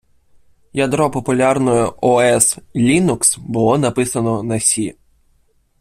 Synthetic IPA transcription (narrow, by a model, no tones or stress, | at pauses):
jɐd̪ɾɔpɔpʊlʲɑrnɔjɔɔɛslʲinuksbʊlˠɔnɐpɪsɐnɔnɐsʲi